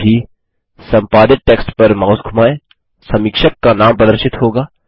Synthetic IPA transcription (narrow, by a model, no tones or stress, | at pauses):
i | sɐ̃mpaːd̪ɪt̪̚ʈeːksʈpɐɾmaːʊsɡʱʊmaːẽ | sɐ̃mɪkʃəkːanaːmpɾɐd̪əɾʃɪt̪ɦoːɡaː